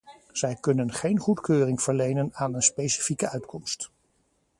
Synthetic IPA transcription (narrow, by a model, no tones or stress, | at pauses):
z̥ɛjkɵnənχejnχutkøːrɪŋv̥əɹlejnənaːnənspejsi̥fikəœɥtkʰɔmst